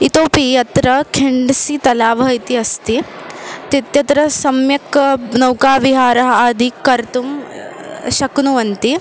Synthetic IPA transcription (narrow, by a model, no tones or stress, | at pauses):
it̪oːpijɐt̪ɾɐkʰiɳɖsit̪ɐlaːʋɐɦɐjt̪iɐst̪it̪it̪jɐt̪ɾɐsɐmjɐknɐwkaːʋiɦaːɾɐɦɐaːd̪ʱikɐɾt̪um | ʃɐknuʋɐnt̪i